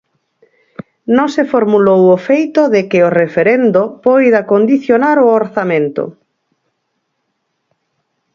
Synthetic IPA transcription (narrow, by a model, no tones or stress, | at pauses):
nõŋsefoɾmulowofejt̪oðekɪorefeɾend̪opojðakond̪iθjonaɾooɾθamẽnt̪o̰